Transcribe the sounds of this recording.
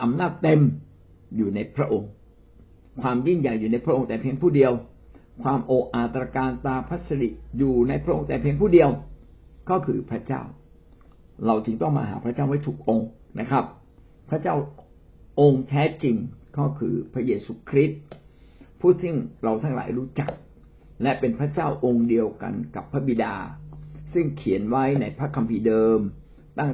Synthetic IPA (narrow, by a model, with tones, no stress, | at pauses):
ʔa˧mnaː˥˩t̪ːe˧m | juː˨˩na˧jpʰɾa˦˥ʔo˧ŋ | kʰwaː˧mji˥˩nja˨˩jːuː˨˩na˧jpʰɾa˦˥ʔo˧ŋt̪ɛː˨˩pʰi˧əŋpʰuː˥˩di˧əw | kʰwaː˧mʔoː˨˩ʔaː˨˩t̪ɾaː˧kaː˧nt̪aː˧pʰa˦˥t̪̚sa˧di˨˩ʔjuː˨˩na˧jpʰɾa˦˥ʔo̰˧ŋt̪ɛː˨˩pʰi˧əŋpʰuː˥˩di˧əw | kɔː˥˩kʰɯː˧pʰɾa˦˥t͡ɕa̰ː˥˩w | ɾa˧wt͡ɕɯ˧ŋt̪ɔ˥˩ŋma̰ː˧ɦa̰ː˩˦pʰɾa˦˥t͡ɕaː˥˩wa˦˥˩jt̪ʰuː˨˩k̚ʔo˧ŋna˦˥kʰɾa˦˥p̚ | pʰɾa˦˥t͡ɕaː˥˩w | ʔo˧ŋt̪ʰɛː˦˥t͡ɕi˧ŋkɔ˥˩kʰɯ̰ː˧pʰɾa˦˥jeː˧suː˧kʰɾi˦˥t̪̚ | pʰuː˥˩t̪̚sɯ˥˩ŋɾa˧wt̪ʰaː˥˩ŋla̰ː˩˦jɾuː˦˥t͡ɕa˨˩k̚ | lɛ˦˥ʔpe˧npʰɾa˦˥t͡ɕaː˥˩wʔo˧ŋdi˧əwka̰˧nka˨˩pʰːɾa˦˥bi˨˧˩da̰ː˧sɯ˥˩ŋkʰi˩˦ənwa˦˥jna˧jpʰɾa˦˥kʰːa˧mpʰiː˧dɤː˧m | t̪a˥˩ŋ